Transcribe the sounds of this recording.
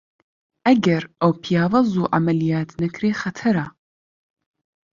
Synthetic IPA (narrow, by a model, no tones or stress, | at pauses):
ɐɡɐɾɐwpʰijaːvɐzuːʕa̰mɐlijaːt̪ʰnɐkʰɾeːχɐt̪ʰɐɾa